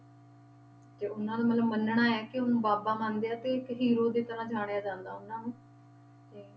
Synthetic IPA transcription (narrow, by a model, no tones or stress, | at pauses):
d͡ʒeːʊnãːd̪aːmət̪ləbmənɳaːɛːkɪʊnũːbaːbaːmãːnd̪ejaːt̪eːɪkɦiːɾoːd̪eːt̪əɾãːd͡ʒʱaːɽ̃jaːd͡ʒãːnd̪aːʊnãːnũː | t̪eː